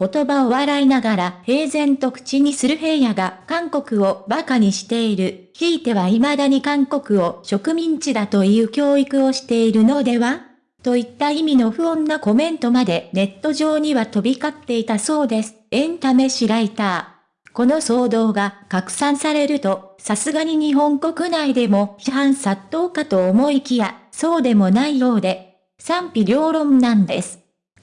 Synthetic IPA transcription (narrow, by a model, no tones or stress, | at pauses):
ko̞t̪o̞bao̞βaɾainaɡaɾahe̞ːzẽ̞nt̪o̞kɯ̟̥t͡ɕiɲ̟isɨɾɯ̟ɦe̞ːjaɡakãŋko̞kɯ̟o̞bakaɲ̟iɕi̥t̪e̞iɾɯ̟ | çiːt̪e̞βaimad̪aɲ̟ikãŋko̞kɯ̟o̞ɕo̞kɯ̟mʲĩɲ̟t͡ɕid̪at̪o̞jɯ̟ːkʲo̞ːikɯ̟o̞ɕi̥t̪e̞iɾɯ̟no̞d̪e̞βa | t̪o̞it̪ːaimʲino̞ɸɯ̟õ̞nːako̞mẽ̞nt̪o̞mad̪e̞ne̞t̪ːo̞ʑo̞ːɲ̟iβat̪o̞bʲikat̪ːe̞it̪aso̞ːd̪e̞sɨ̥ẽ̞nt̪ame̞ɕiɾait̪aː | ko̞no̞so̞ːd̪o̞ːɡakakɯ̟̥sãɰ̃saɾe̞ɾɯ̟t̪o̞sasɨɡaɲ̟iɲ̟iɦõ̞ŋko̞kɯ̟naid̪e̞mo̞çiɦãɰ̃sat̪ːo̞ːkat̪o̞ːmo̞ikʲijaso̞ːd̪e̞mo̞naijo̞ːd̪e̞ | sãmpʲiɾʲo̞ːɾõ̞nnãnd̪e̞̰sɨ̥